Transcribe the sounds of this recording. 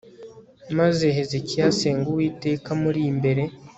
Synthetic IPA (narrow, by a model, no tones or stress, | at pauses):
mazeɦezecijase̞ːŋɡuwiːte̞ːkamuɾimbe̞ɾe̞